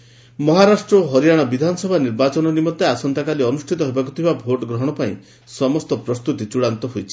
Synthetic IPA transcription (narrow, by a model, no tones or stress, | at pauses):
mɔɦaɾasʈɾɔɦɔɾijaɽ̃ɔbid̪ʱanɔsɔbʱaniɾbat͡ʃɔnɔnimɔt̪ːeasɔnt̪akaliɔnusʈʰit̪ɔɦebakut̪ʰibabʱoʈɔɡɾɔɦɔɽ̃ɔpaĩ | sɔmɔst̪ɔpɾɔst̪ut̪it͡ʃuɽant̪ɔɦojt͡ʃʰi̥